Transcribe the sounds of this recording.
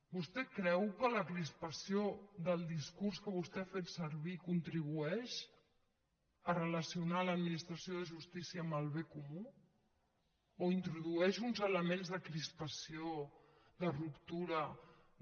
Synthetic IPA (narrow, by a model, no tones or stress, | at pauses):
bust̪ɛkɾɛwkələkɾispəsijoðəlˠd̪iskurskəβust̪ɛafet̪səɾβikunt̪ɾiβ̞uɛʃ | ərələsiunaləd̪minist̪ɾəsioðəʒust̪isiəːməlˠβekumu | oint̪ɾuðuɛʃunzələmẽnzðəkɾispəsio | ðərupt̪uɾə